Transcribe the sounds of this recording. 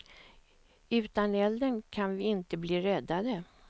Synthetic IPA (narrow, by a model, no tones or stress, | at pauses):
ʉ̟ːt̪anɛld̪ənkʰanvɪɪnt̪əbliːɾɛd̪ːad̪ə